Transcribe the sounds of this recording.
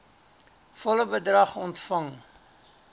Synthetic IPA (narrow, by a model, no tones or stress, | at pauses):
fɔləbədrɐχɔntfɐŋ